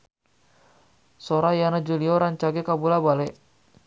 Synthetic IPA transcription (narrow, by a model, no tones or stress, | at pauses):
sɔɾajanad͡ʒuliɔɾaɲt͡ʃaɡɛkabulabalɛ